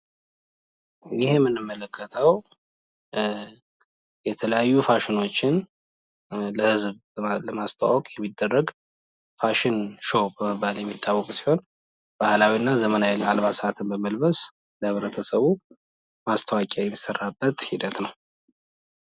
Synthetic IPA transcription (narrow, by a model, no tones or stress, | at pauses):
jɪhmːɨnːɨmːələkʰːət̪ʰəw | jɛt̪ʰələjajːufaʃɪno̞t͡ʃːɪn | ləhɨzb | ləmast̪ʰa̰wɔkʼjɛmːid̪ːərːəɡ | faʃɪnʃobəməbaljɛmːit̪ʼːawːɔkʼusi̥ho̞n | b̥ahlawinːazəmənajɛlalβasat̪ʰɨnbəməlbəs | ləhɨβɾət̪ʰəsəβu | mast̪ʰəwakʼajɛmːisərːabːət̪hid̪ət̪nəw